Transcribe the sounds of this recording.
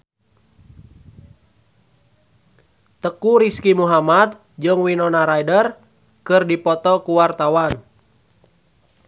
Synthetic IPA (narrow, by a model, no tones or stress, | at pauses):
t̪əkuɾiskimuɦamat̪̚ | d͡ʒɨŋwinɔnaɾaidər | kɨrdipɔt̪ɔkuwart̪awan